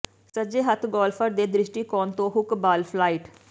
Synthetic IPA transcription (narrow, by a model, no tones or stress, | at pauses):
səd͡ʒeːɦət̪ʰɡɔːlpʰəɾd̪eːd̪ɾɪʃʈiːkɔːnt̪õːɦʊkbaːlpʰlaːiːʈ